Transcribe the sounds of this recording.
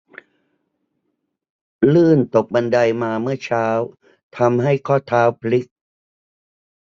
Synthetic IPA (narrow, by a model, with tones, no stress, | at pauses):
lɯː˥˩nt̪o˨˩p̚ba˧nda˧jmaː˧mɯ˥˩ɐt͡ɕʰaː˦˥w | t̪ʰa˧mɦa˥˩jkʰɔː˥˩t̪ʰaː˦˥wpʰli˦˥k̚